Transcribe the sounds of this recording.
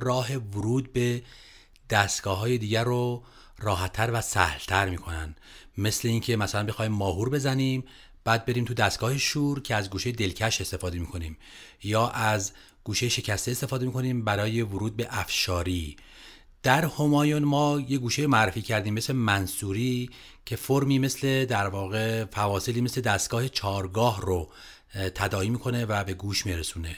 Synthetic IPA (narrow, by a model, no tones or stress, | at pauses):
rɒːɦe̞voɾuːd̪̚be̞ | d̪̥æst̪ɡ̥ɒːɦɒːje̞d̪iːɟæɾo | rɒːɦæt̪ʰːæɾvæsæ̰hlt̪ʰæɾmiːkʰo̞næ̰nd̪ | me̞sleiːncʰe̞mæsælænbexːimːɒːɦuːɾbe̞zæniːm | b̥æːd̪̚be̞ɾiːmt̪ʰud̪æst̪ɡ̥ɒːhe̞ʃuːɾcʰe̞æzɡuːʃejed̪e̞lcʰæʃe̞st̪e̞fɒːd̪e̞miːkʰo̞niːm | jɒːʔæz | ɡ̥uːʃejeʃe̞cʰæst̪eest̪e̞fɒːd̪emiːkʰo̞niːmbæɾɒːje̞voɾuːd̪̚be̞ʔæfʃɒːɾiː | d̪̥æɾhomɒːjonmɒːjeɡuːʃejmoæɾːefiːcʰæɾd̪iːmːesle̞mænsuːɾiː | cʰe̞foɾmiːme̞sle̞d̪æɾvɒːɣe̞fævɒːse̞liːme̞sled̪æst̪ɡɒːhe̞t͡ʃʰɒːɾɡɒːɦro | t̪ʰæd̪ɒːiːmiːkʰo̞ne̞væbe̞ɡuːʃmiɾesuːne̞